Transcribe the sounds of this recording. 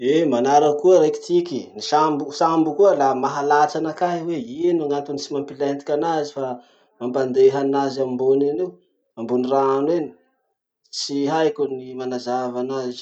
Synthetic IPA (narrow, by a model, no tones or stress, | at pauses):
emanaɾəkuəɾajki̥t̪ikinisambusambukuəlamaɦalat͡ʃanakaɦiweinaŋant̪unit͡simampilent̪i̥kʲanazifa | mampand̪eɦanazamimbonanew | ambuniraanweni̥ | t͡siɦajkunimanazavanazi̥